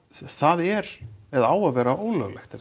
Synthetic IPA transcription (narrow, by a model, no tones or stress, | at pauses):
θaðɛɾvɛðaːwaðvɛːɾaʔoːwlœ̰ɣlɛxt̪ɛ